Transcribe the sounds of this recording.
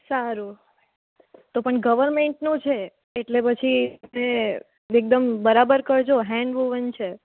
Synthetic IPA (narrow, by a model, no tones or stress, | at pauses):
saɾu | t̪opəɳɡəʋəɾmeɳʈnũt͡ʃʰeː | ʈlepət͡ʃʰine | ek̚d̪əmbəɾabəɾkəɾd͡ʒʰoɦɛ̃ɳɖʋuʋənt͡ʃʰe